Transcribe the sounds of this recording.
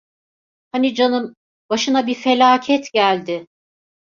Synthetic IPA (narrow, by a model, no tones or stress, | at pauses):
hanid͡ʒanɯm | baʃɯnabife̞lʲaːcʰɛt̪ɟælʲd̪ɪ